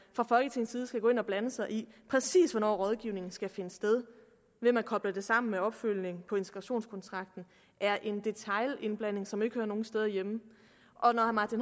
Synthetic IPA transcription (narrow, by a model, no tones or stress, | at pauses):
fʁɑ̈fɒ̽lɡ̥ət͡sʰe̝ŋn̩sið̩ˠsɡ̥æɡ̥o̽ːe̝nɒ̽b̥lænəsɑ̈ɪʔipʰʁɛsḭːsʋɒ̽nɒ̰ːʁɒ̽ð̞ˠɡ̥iʊne̝ŋn̩sɡ̥æfe̝nəsd̥eð̞ˠ | ʋe̝mænkʰɒ̽b̥lɐd̥e̝sɑ̈m̰n̩meɒ̽b̥føl̰ne̝ŋpʰɒ̽e̝nt͡sʰe̥ɡ̥ʁɑɕo̝̰ːnskʰɒ̽nt͡sʰʁɑ̈ɡ̥̚d̥n̩ | ʔæɐʔe̝nd̥e̝t͡sʰɑ̈ɪle̝nb̥læn̰e̝ŋsɒ̽me̝ɡ̥høɐno̝ːŋ̩n̩sd̥eð̞ˠɐjemə | ʔɒ̽nɒhæmɑ̈t͡sʰin